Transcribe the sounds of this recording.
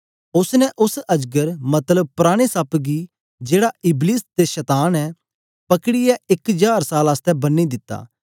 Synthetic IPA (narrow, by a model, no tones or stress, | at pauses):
ʊsnɛʔʊsɐd͡ʒɡəɾmɐt̪ləb̚pʊɾaːɽ̃esaːpɡi | d͡ʒeːɽaɪbliːst̪eʃɐt̪aːnɛ | pɐkɽɪɛɪkd͡ʒaːɾsaːlaːst̪ɛbɐnːid̪ɪt̪ːa̰ː